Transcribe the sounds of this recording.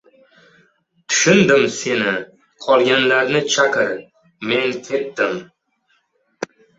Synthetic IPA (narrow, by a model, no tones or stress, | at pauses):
t̪ʰʊ̥ʃʊnd̪ɪmse̞nɪ | qʰɒlˠɡʲanlaɾnɪt͡ʃʰakʲɪɾ | me̞nkʲʰe̞t̪d̪ɪm